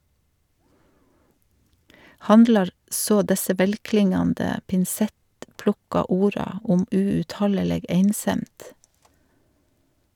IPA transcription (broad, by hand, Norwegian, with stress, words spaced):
ˈhɑndlɑɾ ˈsoː ˈdɛsə ˈʋɛlˌklɪŋɑndə pɪnˈsɛtˌplʊkɑ ˈuːɾɑ ˈʊm ʉʉtˈhɑləˌleːɡ ˈeɪnˌsɛmd